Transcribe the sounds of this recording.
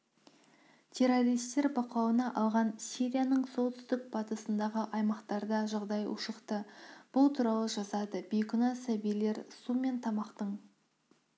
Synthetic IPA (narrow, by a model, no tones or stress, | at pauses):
t̪ʲʰe̞ɾo̞ɾijst̪e̞ɾbɑqɑwənɑʔɑlˠʁɑnsʲiɾʲijanəɴsolˠt̪ʰʏ̥st̪ɪk̚bʰɑt̪əsənd̪ɑʁəʔɑjmɑqt̪ɑɾd̪ɑʒɑʁd̪ɑjʊ̰ʃəqt̪əb̥ʊlˠt̪ʰuɾɑw̪ˠəʒɑsɑd̪əbijkʊnɑsæbijle̞ɾsume̞nt̪ʰɑmɑqt̪əɴ